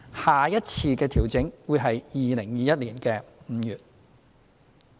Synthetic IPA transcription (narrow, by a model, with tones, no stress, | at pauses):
haː˨˩jɐ˥t̚t͡sʰiː˧kɛː˧t̪ʰiː˨˩wt͡sɪ˨˥ŋwu˨˧jɦɐ˨jjiː˨lɪ˨˩ŋjiː˨˧jɐ˥t̚liː˨˩nkɛː˧m̩ː˨˧jyː˨t̚